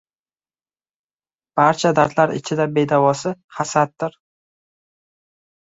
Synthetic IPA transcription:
b̥aɾt͡ʃʰad̪aɾt̪ʰlaɾɪ̰t͡ʃʰɪd̪abe̞d̪avɒsɪχasat̪̚ːɪɾ

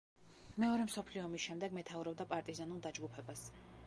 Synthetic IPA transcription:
mɛɔɾɛmsɔpʰliɔmisʃɛmd̪ɛɡmɛt̪ʰauɾɔb̚d̪apʼaɾt̪ʼizanulˠd̪ad͡ʒɡupʰɛbas

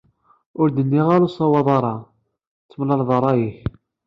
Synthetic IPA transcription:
ʊɾd̪ənːiʁaɾusˤɑwɑðˤɑɾˤɑ | t͡sːəmlɑɾðˤɑɾˤɑjiç

